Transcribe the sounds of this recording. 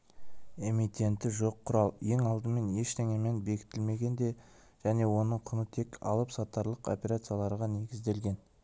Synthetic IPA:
e̞mit̪ʲe̞nt̪ɪʒo̞qʰːʊɾɑlˠje̞ŋɑlˠd̪əme̞ne̞ʃt̪eŋemenbe̞kʲʰɪ̥t̪ɪlme̞ɡʲe̞nd̪e̞ | ʒ̥æne̞wo̞nəɴqʰʊnət̪ʰe̞kʰɑ̰lˠəpsɑt̪ːɑɾlˠəqo̞̰pʲe̞ɾat̪sɨjalˠɑɾʁɑne̞ɡʲɪzd̪e̞lɡʲe̞n

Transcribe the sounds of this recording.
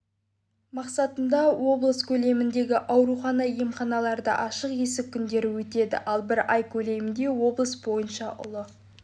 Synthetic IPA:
mɑqsɑt̪ənd̪ɑwo̞blˠəskʲʰɵle̞mɪnd̪e̞ɡʲɪʔɑwɾuχɑnɑijəmχɑnɑlˠɑɾd̪ə̰ʔɑʃəqje̞sɪkʲʰːʏnd̪e̞ɾɪwɵt̪e̞d̪ɪ̰ʔɑlˠbɪɾɑjkʲʰɵle̞mɪnd̪e̞wo̞blˠəsbo̞jənʃɑʔʊ̰lˠə

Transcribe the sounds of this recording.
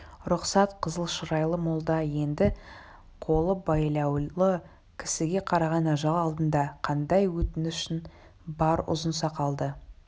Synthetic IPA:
ɾʊqsɑt̪qʰəzəlˠʃəɾɑjlˠəmolˠd̪ɑje̞nd̪ɪ | qʰo̞lˠəbɑjlˠɑw̪ˠə | kʲʰɪ̥sɪɡʲe̞qʰɑɾɑʁɑnɑʒɑlˠɑlˠd̪ənd̪ɑqʰɑnd̪ɑjwɵt̪ɪnʏʃɪn | bɑɾʊ̰zənsɑqʰɑlˠd̪ə

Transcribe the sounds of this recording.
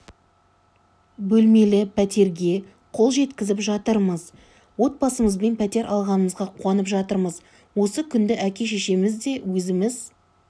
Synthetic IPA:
bɵlme̞lɪpʰæt̪ʰe̞ɾɡʲe̞ | qʰo̞lˠʒe̞t̪kʲɪzɪpʒɑt̪əɾməz | wo̞t̪̚bɑsəməzbe̞npʰæt̪e̞ɾʔɑlˠʁɑnəməzʁɑqʰuɑnəpʒɑt̪əɾməz | wo̞səkʲʰʏnd̪ɪʔækʲe̞ʃ̬eʃemɪzd̪e̞wɵzɪmɪz

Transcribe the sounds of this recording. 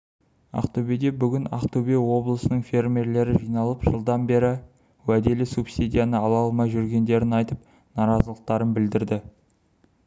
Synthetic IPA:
ɑ̰qt̪obed̪ebʏɡʲɪna̰qt̪ubewo̞blˠəsənəɴfʲe̞rmʲe̞ɾle̞ɾɪʒijnɑlˠəpʒəlˠd̪ɑnbe̞ɾɪ | wæd̪e̞lɪsupsʲid̪ʲijanəɑlˠɑlˠmɑjʒʏɾɡʲe̞nd̪e̞ɾɪnɑjt̪əp | nɑɾɑzəlˠəq̚t̪ɑɾənbɪld̪ɪɾd̪ɪ

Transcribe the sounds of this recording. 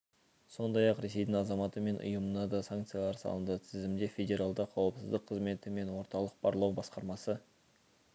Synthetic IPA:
so̞nd̪ɑjɑqɾe̞se̞jd̪ɪŋɑzɑmɑt̪əme̞nʔʊ̰jəmənɑd̪ɑsaŋkt̪sɨjalˠɑɾsɑ̰lˠənd̪ət̪ʰɪzɪmd̪e̞fʲe̞dʲe̞ɾalˠd̪əqʰɑwəpsɪzd̪əqʰːəzme̞t̪ɪme̞nwo̞ɾt̪ɑlˠəq̚b̥ɑɾlˠɑwbɑsqɑɾmɑsə

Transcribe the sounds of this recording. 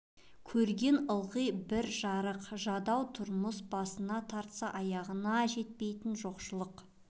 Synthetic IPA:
kʲʰɵɾɡʲe̞nəlˠʁəjbɪɾʒɑɾəqʒɑd̪ɑwt̪ʰʊɾməsbɑsənɑt̪ʰɑɾt̪sɑʔɑjɑʁənɑʒe̞t̪̚pe̞jt̪ɪnʒo̞qʃəlˠəq

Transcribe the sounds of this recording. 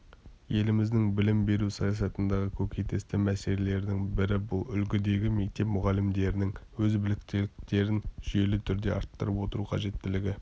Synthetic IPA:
je̞lɪmɪzd̪ɪŋbɪlɪmbe̞ɾusɑjɑs̬ɑt̪ənd̪ɑʁəkʲʰɵkʲejt̪e̞st̪ɪmæse̞lele̞ɾd̪ɪŋbɪɾɪbʊlˠʏlɡʲɪd̪e̞ɡʲɪme̞k̚t̪e̞pmʊʁɑlɪmd̪e̞ɾɪnɪŋwɵzbɪlɪkt̪elɪk̚t̪e̞ɾɪnʒ̥ʏje̞lɪt̪ʰʏɾd̪e̞̰ɑ̰ɾt̪ːəɾəpwo̞t̪əɾuqʰɑʒe̞t̪ːɪlɪɡʲɪ

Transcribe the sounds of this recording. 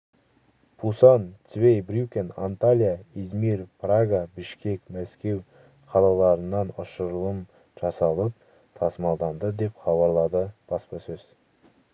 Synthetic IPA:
pʰusɑnt̪vejbɾʲukʲena̰nt̪alʲijaizmiɾpʰraɡabɪʃkʲe̞kmæskʲe̞w | qʰɑlˠɑlˠɑɾənːɑnʊʃəɾəlˠəm | ʒ̥ɑsɑlˠəp̚ | t̪ʰɑsmɑlˠd̪ɑmd̪əd̪e̞pχɑβɑɾlˠɑd̪əb̥ɑspəsɵz̥

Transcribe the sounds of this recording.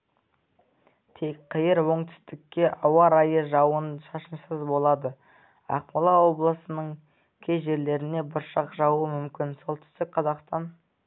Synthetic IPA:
t̪ʰe̞kqʰəjəɾwo̞ɴt̪ʰʏ̥st̪ɪkʲːe̞ʔɑwɑɾɑjəʒɑwənʃɑʃənsəzbo̞lˠɑd̪ə | ɑ̰q̚mɑlˠɑwo̞blˠəsənəɴ | kʲʰeʒe̞ɾle̞ɾɪne̞bʊɾʃɑqʒɑwuəmʏmkʲɪnso̞lˠt̪ʰʏ̥st̪ɪk̚qʰɑzɑqst̪ɑn

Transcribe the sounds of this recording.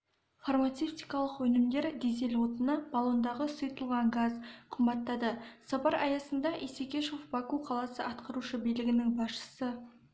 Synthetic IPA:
format̪seft̪ijkɑlˠəqwɵnɪmd̪e̞ɾd̪eze̞lwot̪ənəb̥ɑlˠond̪ɑʁəsəjt̪əlˠʁɑŋɡazqʰʊmbɑt̪ːɑd̪əsɑpɑɾɑjɑsənd̪ɑʔesekʲe̞ʃo̞fbɑkuqʰɑlˠɑsəɑt̪qəɾuʃəbijlɪɡʲɪnɪŋbɑsʃə̥sə

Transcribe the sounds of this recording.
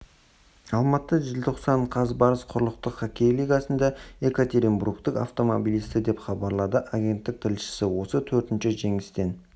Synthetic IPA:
ɑlˠmɑt̪əʒɪlt̪ʰo̞qsɑɴqʰɑzbɑɾəsqʰʊɾəlˠəq̚t̪əqχakʲʰejlijɡɑsənd̪ɑe̞kot̪ʲe̞ɾimbɾukt̪ɪka̰ft̪o̞mobilˠijst̪ɪd̪e̞pχɑbɑɾlˠɑd̪əʔaɡʲe̞nt̪ːɪk̚t̪ʰɪlʃɪ̥sɪwo̞sət̪ʰɵɾt̪ɪnʃɪʒe̞ŋɪst̪e̞n

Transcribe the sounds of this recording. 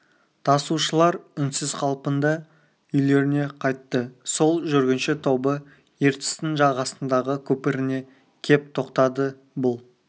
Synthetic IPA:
t̪ʰɑsuʃəlˠɑɾʏnsɪz̥qʰɑlˠpənd̪ɑ | ʏjle̞ɾɪne̞qʰɑjt̪ːəso̞lˠʒʏɾɡʲɪnʃɪt̪ʰo̞bə | je̞ɾt̪ɪ̥st̪ɪnʒɑʁɑsənd̪ɑʁəkʲʰɵpɪɾɪne̞ | kʲʰe̞p̚t̪ʰo̞qt̪ɑd̪ə | bʊlˠ

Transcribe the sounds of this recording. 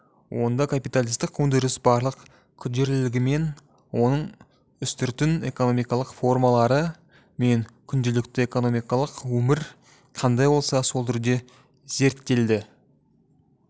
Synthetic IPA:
wʔo̞nd̪ɑkʰapijt̪alʲˠijst̪ɪqʰɵnd̪ɪɾɪsbɑɾlˠəq | kʲʰʊt̪ʒe̞ɾlɪlɪɡʲɪme̞n | wo̞nəɴ | ʏst̪ʏɾt̪ɪne̞̰ko̞no̞mijkɑlˠəqfo̞rmɑlˠɑɾə | me̞ŋkʲʰʏnd̪elɪk̚t̪ɪe̞ko̞no̞mijkɑlˠəqwɵmɪɾ | qʰɑnd̪ɑjbo̞lˠsɑso̞lˠt̪ʰʏɾd̪e̞ | ze̞ɾt̪ːe̞ld̪ɪ

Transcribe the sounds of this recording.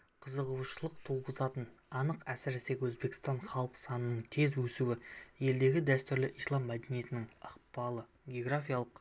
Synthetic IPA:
qʰəzəʁuwʃəlˠəqt̪ʰuwʁəzɑt̪ənɑnəqæsɪɾɪse̞kʲwɵzbe̞kʲɪst̪ɑnχɑlˠəqsɑnənəɴt̪ʰe̞zwɵsuwɪje̞ld̪e̞ɡʲɪd̪æst̪ʏɾlɪʔijslˠɑmːæd̪enije̞t̪ɪnɪŋɑqbɑlˠə | ɡʲeoɡrafʲijalˠəq

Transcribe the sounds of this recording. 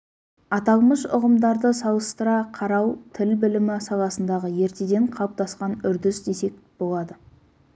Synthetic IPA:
ɑt̪ɑlˠməʃʊ̰ʁəmd̪ɑɾd̪əsɑlˠəst̪əɾɑqʰɑɾɑwt̪ʰɪlbɪlɪmɪsɑlˠɑsənd̪ɑʁəje̞ɾt̪e̞d̪e̞ɴqʰɑp̚t̪ɑsqɑnʏɾd̪ɪsd̪e̞se̞k̚b̥o̞lˠɑd̪ə

